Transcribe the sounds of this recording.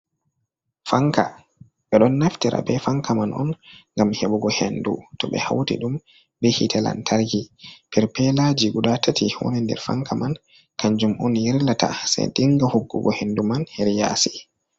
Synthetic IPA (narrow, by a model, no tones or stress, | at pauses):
faŋka | ɓɛɗɔnːaftiɾa̰bɛfaŋkamanʔɔnŋɡamhɛɓɔɡɔhenːdṵtɔɓɛ̰ha̰wtḭɗum | bɛhitʰɛla̰ntʰaɾɡipɛɾpɛlad͡ʒiɡudatatʰiwɔ̰nɛndɛ̰ɾfaŋkaman | kʰaɲd͡ʒumɔnjiɾlata̰sɛ̰diŋɡahuɡːṵɡɔhendumanhɛɾja̰si̥